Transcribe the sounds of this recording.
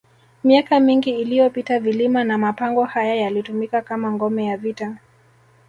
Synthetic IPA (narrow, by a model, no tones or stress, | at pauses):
miakamiŋɡiːlijɔpitavilimanamapaŋɡɔhajajalitumikakamaŋɡɔmɛjavita